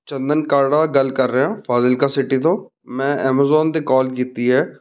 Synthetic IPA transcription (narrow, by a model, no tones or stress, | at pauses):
t͡ʃə̃nd̪ənkaːɾɖaːɡəlkəɾːəɦãːfʰaːzɪlkasɪʈit̪õː | mɛ̃ːʔɛːmaːzɔːnd̪ekɔːlkiːt̪iɦɛː